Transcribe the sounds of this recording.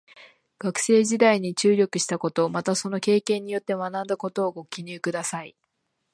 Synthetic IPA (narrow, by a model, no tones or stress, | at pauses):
ɡ̥akɯ̟̥se̞ːʑid̪aiɲ̟it͡ɕɨːɾʲo̞kɯ̟ɕi̥t̪ako̞t̪o̞mat̪aso̞no̞ke̞ːkẽ̞ɲ̟ːijo̞t̪ːe̞manãnd̪ako̞t̪o̞ːɡo̞kʲiɲɨːkɯ̟d̪asai